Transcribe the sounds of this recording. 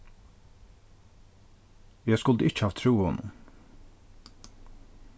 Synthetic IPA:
jæskʊld̪əɪt͡ʃhɑːʋt̪ʰɾuːɔ̰nʊ̰m

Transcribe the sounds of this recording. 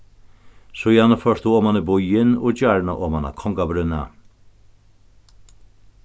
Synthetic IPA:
sɔjanːəfœʂt̪uɔmanəbʊjɪnɔd͡ʒaɹɳaʔɔmana̰kʰɔŋkabɾʏna̰

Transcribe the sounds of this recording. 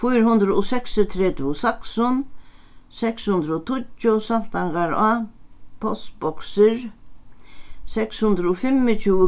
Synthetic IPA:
fujɾhʊnd̪ɾəʊsɛksɔt̪ʰɾɛt̪ʊsaksʊn | sɛkshʊnd̪ɾɔt̪ʰʊt͡ʃːʊsalt̪aŋɡaɾapʰɔst̪bɔksɪɹ | sɛkshʊnd̪ɾəʊfɪmːɪt͡ʃʰuːə

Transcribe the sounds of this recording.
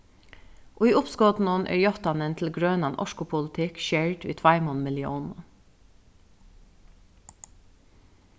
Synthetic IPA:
ʔoːiːʊpskɔt̪n̩ɔnʔæ̰ːɹjɔt̪ɑnənt̪ʰl̩ɡɹœːnɑnʔɔ̰ʃkʊpʰʊlt̪ʰɪkʃeɹʈʋḭːt̪ʰʋɑɪmɔnmɪljṵːn

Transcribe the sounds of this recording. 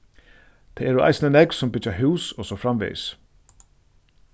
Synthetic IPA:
t̪ʰaɛɾʊa̰jsnənɛksʊmpɪt͡ʃaɦuːsɔsɔfɾamvḭːs

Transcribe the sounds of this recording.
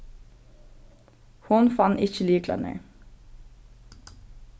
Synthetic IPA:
hʊnfɑnɪçəliːklɑ̰nḛː

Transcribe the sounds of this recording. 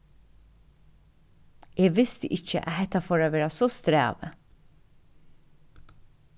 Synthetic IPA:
eːʋɪst̪əʔɪc͡çə̰ʔæ̰hɛt̪ɑfoːɾɑːʋeːɾɑsɔst̪ɾæ̰ːʋə

